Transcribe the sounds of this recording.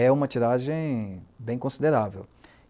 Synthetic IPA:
ɛũmɐt͡ʃiɾaʒẽj̃bẽj̃kõsid̪eɾavḛw

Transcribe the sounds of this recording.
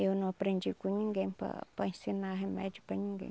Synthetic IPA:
ewnɐ̃w̃apɾẽnd͡ʒikũɲĩŋɡẽj̃pa̰paẽsinaɦemɛ̰d͡ʒupaɲĩŋɡḛ̃j̃

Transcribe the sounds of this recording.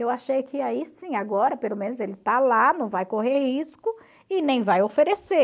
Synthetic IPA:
ewaʃejkɪaisĩaɡɔɾɐpelomẽnʊzelɪt̪alanɐ̃w̃vajkoɦeɾhiskʊ | ɪnẽj̃vajofeɾese

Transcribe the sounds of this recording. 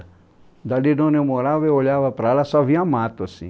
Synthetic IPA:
d̪alinonemoɾaʋeoʎaʋapɾalasaʋiamaːt̪osḭ

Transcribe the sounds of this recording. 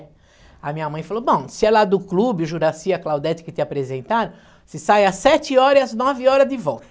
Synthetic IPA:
ɐmĩɲɐmɐ̃j̃falobõw̃sɪɛlad̪ʊklubɪʒuɾasiɐklawd̪ɛt͡ʃ̪ɪ̥kɪt̪ɪapɾezẽnt̪aɾɐ̃ | sɪsajasɛt͡ʃɪɔɾɐiɐznɔvɪɔɾɐd̪ɪvɔwt̪ɐ

